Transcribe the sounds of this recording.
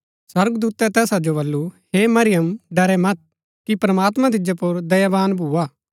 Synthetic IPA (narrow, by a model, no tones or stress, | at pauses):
swɐɾɡd̪uːt̪ɛt̪ɛːsad͡ʒobɐlːuhemɐɾɪjəmɖɐɾɛmɐt̪̚ | kipɾɐmaːt̪mãt̪̬ɪd͡ʒapʊɾd̪ɐjabaːnbʱuːaː